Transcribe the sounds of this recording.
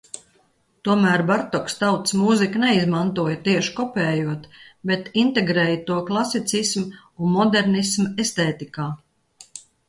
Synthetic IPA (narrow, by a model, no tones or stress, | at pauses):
t̪uɔmæːɾbaɾt̪ɔkst̪awt̪smuziknɛizmant̪uɔjət̪iɛʃkɔpʲɛːjuɔt̪bet̪int̪ɛɡɾɛːjət̪uɔklˠasit̪sism | unmɔd̪ɛɾnismɛst̪ɛːt̪ikaː